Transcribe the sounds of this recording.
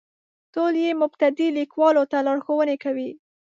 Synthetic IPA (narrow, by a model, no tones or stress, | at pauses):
t̪oljemʊbt̪ad̪ilikwɑlot̪alɑɽxowənekawi